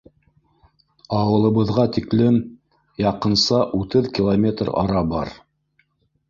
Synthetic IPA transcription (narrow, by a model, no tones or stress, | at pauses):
ɑwɤ̆lˠɤ̆βɤ̆ðʁɑt̪iklɘm | jɑqɤ̆nsɑʔut̪ɤðkʲilˠomʲet̪rɑ̰ɾɑbɑ̰ɾ